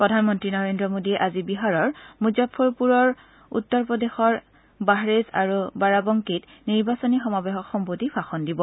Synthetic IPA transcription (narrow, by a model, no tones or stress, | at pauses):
pɹɔdʱanmɔntɹinɔɹendɹɔmodiɛʔazibiɦaɹɔɹmuzapʰːoɹpuɹɔɹ | ṵtːɔɹpɔdexɔɹ | baɦɹeza̰ɹubaɹabɔŋkit | niɹbasɔnixɔmabeɦɔkxɔmpotipʰaxɔndibɔ